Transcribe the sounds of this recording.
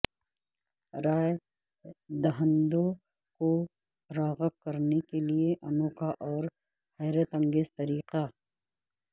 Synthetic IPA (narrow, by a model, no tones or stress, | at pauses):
ɾaːj | d̪ɐɦə̃nd̪õ | ko | ɾaːɣəkɐɾnekelieʔɐnoːkaʔɔːɾ | hɛːɾət̪ɐ̃ŋɡeːzt̪ɐɾiːqa